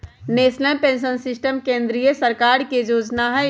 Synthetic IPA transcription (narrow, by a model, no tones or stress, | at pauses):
neːsnəlpẽːnʃ̬ənsɪsʈəmkẽːnd̪ɾijəsəɾkaːɾked͡ʒoːd͡ʒnaɦɛ